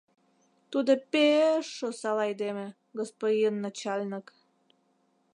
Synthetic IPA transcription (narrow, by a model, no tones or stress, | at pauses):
t̪ud̪opeʃːosɑlɑjd̪emĕ | ɡospodʲinːət͡ɕɑlʲnək